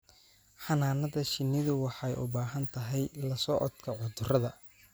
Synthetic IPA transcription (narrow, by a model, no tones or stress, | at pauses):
ħɑnaːnɐðɐʃɪnːɪðʊwɑħɑjʔʊ̰baːɦɐnt̪ʰɐɦɛjlɐsɔːʔɔd̪kʰɐʕʊd̪ʊrɐðɐ